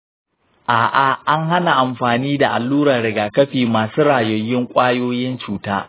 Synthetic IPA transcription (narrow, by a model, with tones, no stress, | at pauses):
ʔaː˨ʔa˨ʔa˦ŋha˦na˨ʔa˨mɸaː˨niː˦da˨ʔa̰˨lːuː˦ɾɐ˨ɽɪ˨ɡaː˨kɐ˦ɸiː˨maː˨suː˦ɾaː˨jo˨jːɪ˦ŋkʷʼaː˦joː˦jɪ˦nt͡ʃuː˨taː˦